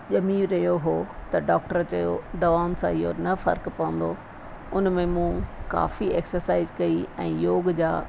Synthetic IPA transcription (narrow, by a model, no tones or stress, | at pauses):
ʄɐmiːʋɾɐɦijoɦoːt̪ɐɖaːk̚ʈəɾt͡ɕɐjo̰d̪ɐʋaːʊnsã̰ɪɦonɐfɐ̰ɾkpɐə̃n̆d̪o | ʊnmẽmũka̰ːfieːksəɾsaːɪzkɐiɛ̃ːjoːɡd͡ʑaː